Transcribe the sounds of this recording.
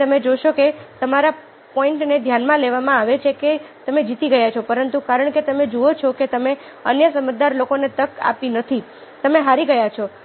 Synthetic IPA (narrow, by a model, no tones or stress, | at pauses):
əmed͡ʒoʃoket̪əmaɾa | pɔɪɳʈned̪ʱjanmãleʋamãaʋet͡ʃʰeket̪əmed͡ʒit̪iɡəjat͡ʃʰopəɾənt̪ukaɾəɳket̪əmed͡ʒuot͡ʃʰɔket̪əme | ə̰njəsəməd͡ʒd̪aɾlokonet̪əka̰pinət̪ʰi | t̪əmeɦaɾiɡəjat͡ʃʰɔ